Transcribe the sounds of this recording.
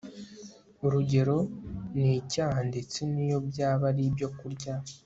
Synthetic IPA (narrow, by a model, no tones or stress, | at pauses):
uɾuɟe̞ɾo̞nicaːɦande̞t͡se̞nijo̞bjaːβaɾibjo̞kuɾɟa